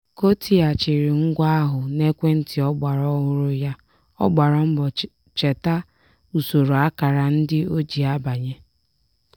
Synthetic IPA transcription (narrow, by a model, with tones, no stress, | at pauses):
ko˦tʰi˦a˨t͡ʃɪ˨ɾɪ˨ŋ̩˦ɡʷa˦a˦ɦʊ˨ne˦kʷe˦n̩˦tɪ˨ɔ˦ɡ͡ba˨ɾɔ˦ɦʊ˦ɾʊ˦ja˦ | ɔ˦ɡ͡ba˨ɾɔ˦m̩˦bɔ˨ | t͡ʃe˨ta˦ | u˨so˨ɾo˨a˦ka˨ɾa˨n̩˦dɪ˦o˦d͡ʒi˨a˦ba˨ɲe˦